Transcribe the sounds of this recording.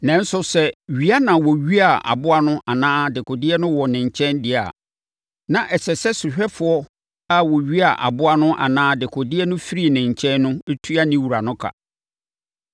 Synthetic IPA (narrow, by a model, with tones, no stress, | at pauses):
nɛ̃˦n̩˦sʊ˦sɛ˦ɥi˦a˦nã˨wɔ˨ɥi˦a˨a̰˨bʊ˦a˦nʊ̃˦ʔa˨nãː˦dɪ˨kʰʊ˨dɪ˦ɛ˦nʊ̃˦wɔ˨nɪ̃˨ɲ˨t͡ɕʰɛ̃˦ndɪ˨a̰˨ | nã˨ʔɛ˨sɛ˨sɛ˦sʊ˨ɕᶣɛ˦fʊ˨ɔ˦ | a˦wɔ˨ɥi˦a˨ʔa̰˨bʊ˦a˦nʊ̃˦ʔa̰˨nãː˦dɪ˨kʰʊ˨dɪ˦ɛ˦nʊ̃˦fi˦ɾi˦˨nɪ̃˨ɲ˨t͡ɕʰɛ̃˦nːʊ̃˦e˦tʰu˦a˦nɪ̃˦wu˨ɾa˨nʊ̃˦kʰa̰˨